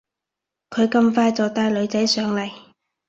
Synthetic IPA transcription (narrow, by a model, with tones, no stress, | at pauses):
kʰɵ˨˧ɥkɐ˧mfaː˧jt͡sɔː˨t̪aː˧jlɵ˨˧ɥt͡sɐ˨˥jsœː˨˥ŋlɐ˨˩j